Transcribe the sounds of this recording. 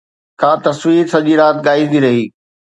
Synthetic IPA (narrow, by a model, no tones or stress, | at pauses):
kʰaːt̪ɐswiːɾsɐʄiɾaːt̪ɠaːɪd̪iɾɐɦiː